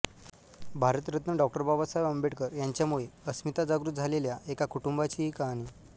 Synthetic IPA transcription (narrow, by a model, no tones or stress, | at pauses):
bʱaɾət̪ɾət̪nəɖɔk̚ʈəɾbʱabasajəmbeʈkəɾjaɲt͡ɕjamuɭeəsmit̪ad͡zaɡɾut̪̚d͡zʱaleljaekakuʈumbat͡ɕiikani